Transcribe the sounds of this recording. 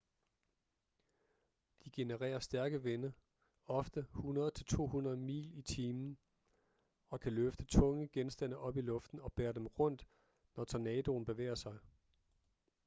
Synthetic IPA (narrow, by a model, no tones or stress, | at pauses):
d̥iɡ̥e̝nəʁɛ̰ːɐsd̥æɐɡ̥əʋenə | ɒ̽fd̥əhunɐð̩ˠt͡sʰe̝lt͡sʰo̝̰ːɦunʁɐð̩ˠmḭːlit͡sʰiːmn̩ | ɒ̽kʰæløfd̥ət͡sʰɔ̽ŋəɡ̥ensd̥æn̰əʔɒ̽b̥ilɔ̽fd̥n̩ɒ̽b̥ɛːɐd̥emʁɔ̽n̰d̥ | nɒt͡sʰɒnɛːd̥o̝ːn̩b̥e̝ʋḛːɐsɑ̈ɪ